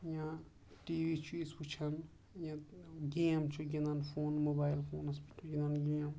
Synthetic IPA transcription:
jã | ʈiwit͡ʃʰuesput͡ʃʰɐn | jãɡiemt͡ʃʰuɡinanpʰoːnmobajlpʰoːnɐspʰut͡ʃʰuɡʲinanɡiem

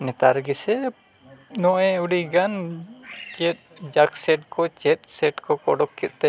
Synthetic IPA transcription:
nɛt̪aɾɡɛsɛ | nɔʔɛ̃uɖiɡan | t͡ʃɛt̪̚d͡ʒaksɛʈ̚kɔt͡ʃɛt̪̚ˀsɛʈkɔkɔ̰ɖɔkʰːɛt̪̚ˀt̪ɛ

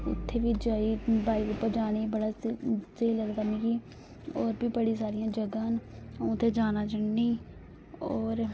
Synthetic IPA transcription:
ʊ̰t̪ʰːeːʋiːd͡ʒaːiːbaːiːʊpəd͡ʒaːniːbəɽaːsəiːləɡd̪amĩːki | ɔːɾbiːbəɽiːsaːɾɪjãːd͡ʒəɡãːnːʊt̪ʰːeːd͡ʒaːnaːt͡ʃəɳːiː | ɔːɾ

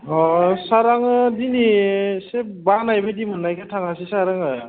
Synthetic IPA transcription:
ɔsaɾaŋɯdinisebanajbajdimʌnːajkʰatʰaŋasisaɾaŋɯ

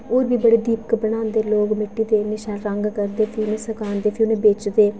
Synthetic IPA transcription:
oːɾbiːbəɽeːd̪iːpkəbəɽ̃aːnd̪eːloːkmɪʈːiːd̪eːnɪʃɛːlɾəŋɡkəɾd̪eːpʰinẽːsəkaːnd̪eːpʰɪʊnẽːbeːt͡ʃd̪eː

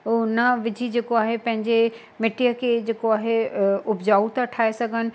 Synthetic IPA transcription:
ʊnɐʋɪd͡ʑʱid͡ʑeːkoaːɦepɐ̃ɦɪ̃ɲd͡ʑe | mɪʈijəkʰed͡ʑeːkoaːɦeʊbd͡ʑaːut̪aʈʰaːesɐɡʱənɪ̆

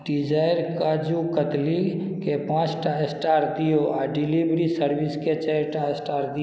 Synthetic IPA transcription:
ɖɪd͡ʒaːɪɾkaːd͡ʒukət̪li | kepãːt͡ʃʈasʈaːɾd̪ijoaɖɪlibɾisəɾʋɪsket͡ʃɛjʈasʈaːɾd̪i

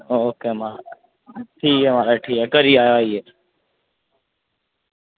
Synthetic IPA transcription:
ooːkeːmãː | ʈʰiːkɦeːmãːɾeʈʰiːkekəɾiːaːjoːaiːeː

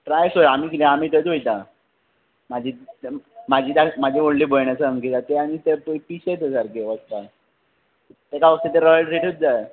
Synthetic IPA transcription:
ʈɾajsoɾamiːkilẽamiːt̪ətojt̪a | mad͡ʑʱiː | mad͡ʑʱiːd̪amad͡ʑʱioɽliːbojɳjat͡səəŋɡit̪at̪eaɽ̃it̪eppiɕet͡səsaɾkeʋəɡt̪a | t̪ekaʋəɡ̚t̪at̪̬eɾəjəɾeʈut̪̚d͡zae

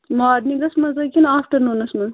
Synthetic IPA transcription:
maːd̪niɡɐsmɐzɐkʲinaːfʈɐɾnoːnɐsmɐ

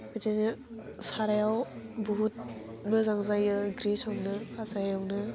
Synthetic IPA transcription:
bedajnɯ | saɾajawbuɦut̚ | mɯzaŋzajɯɡɾisawnɯpʰazajawnɯ

